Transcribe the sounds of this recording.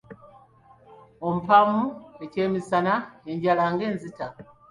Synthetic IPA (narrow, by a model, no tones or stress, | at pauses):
o̞mupamue̞ce̞ːmisanae̞ɲɟalaŋɡe̞ːnzita